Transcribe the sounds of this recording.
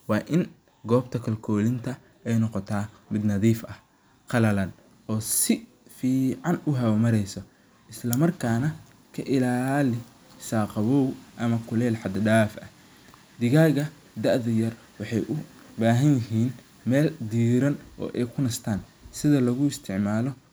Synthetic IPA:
wɑːʔɪn | ɡɔːb̚t̪ʰɐkʰɐlkʰɔːlɪnt̪ʰɐ | ɛjnɔqɔt̪ʰaːmɪd̪nɐðiːfɐh | qɑlɐlɐn | ʔɔːsɪ | fiːʕɑnʊɦɐwɐmɐɾɛjsɔ | ʔɪslɐmɐrkʰaːnɐ | kʰɐʔɪlaːlɪ | saːqɑβɔːwʔɐmɐkʰʊlɛːlħɑd̪ɖaːfɐ | d̪ɪɣaːɣɐ | d̪ɐʔðɐjɐr | wɑħɑjʔʊ | baːɦɐnjɪɦiːn | mɛːld̪iːɾɐnʔɔ̰ːʔɛjkʰʊnɐst̪ʰaːnsɪðɐlɐɣʊɪst̪ʰɪʕmaːlɔ

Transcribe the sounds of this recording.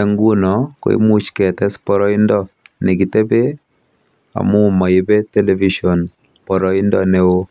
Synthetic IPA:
eŋɡunɔko̰ḭmut͡ʃkɛtɛspɔɾɔindɔnɪkitebe | a̰mʊmaɪbetɛleviʃɔn | pɔɾɔindɔneo

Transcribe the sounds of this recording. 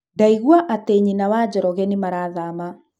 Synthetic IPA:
daiɣwaʔateɲinawad͡ʑɔɾɔɣɛnimaɾaːðama

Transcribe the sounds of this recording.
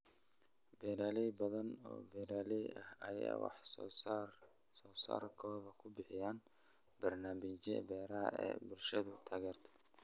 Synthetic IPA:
bɛːɾaːlɛjbɐðɐnɔ̰ːbɛːɾaːlɛjɐhɐjɛ̰wɑ̰ħsr | sɔːsa̰ːrkʰɔːðɐkʰʊbɪħɪjaːn | bɐrnaːmɪt͡ʃɛ̰bɛːɾɐɦɐ̰ʔɛ̰ːbʊlʃɐðʊt̪ʰaːɣɛːrt̪ʰɔ̥

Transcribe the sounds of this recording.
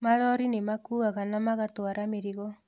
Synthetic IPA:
malɔɾinemakuːɣaɣanamaɣatwaɾameɾiɣɔ

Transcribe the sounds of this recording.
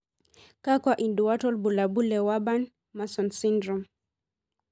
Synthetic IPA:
kakwaʔinduatɔlbulabulɛwaban | masɔnsindɾɔm

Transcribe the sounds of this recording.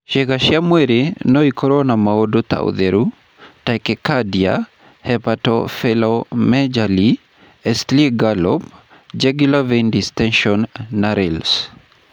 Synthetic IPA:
ʃeɡaʃjamweɾinɔikʰɔɾɔnamaodot̪a̰ṵd̪eɾu | takɛkadia̰ | hɛpatɔ̰fɛlɔmɛd͡ʒali | ɛstliɡalɔp | d͡ʒɛɡulavendistɛnʃɔnːaɾɪls

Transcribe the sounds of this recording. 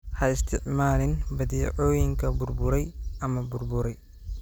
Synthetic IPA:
hɐɪst̪ʰɪʕmaːlɪnbɐðiːʕɔːjɪŋkʰɐbʊrbʊɾɛjɐmɐbʊrbʊɾɛj

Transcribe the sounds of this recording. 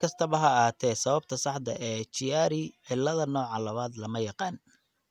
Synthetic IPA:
kʰɐst̪ʰɐβɐɦɐːhaːt̪ʰɛːsɐβɐb̚t̪ʰɐsɑħd̪ɐʔɛːt͡ʃɪjaːɾɪʕɪlːɐðɐnɔːʕɑlɐβaːd̪lɐmɐjɑqɑːn

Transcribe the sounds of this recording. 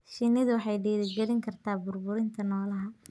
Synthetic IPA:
ʃɪnːɪðʊwɑħɑjɖiːðɪɡɛlɪŋkʰɐrt̪ʰaːbʊrbʊɾɪnt̪ʰɐnɔːlɐɦɐ

